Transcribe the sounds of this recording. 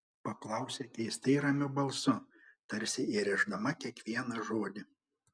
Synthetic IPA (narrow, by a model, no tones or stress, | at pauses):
pɐklˠɐˑʊsʲekʲɛɪst̪ʲɐɪɾɐmʲʊbɐlˠsʊt̪ɐɾʲsʲɪiɾʲɛʒd̪ɐmɐkʲiɛkʋʲiɛnɐʒoːd̪ʲɪ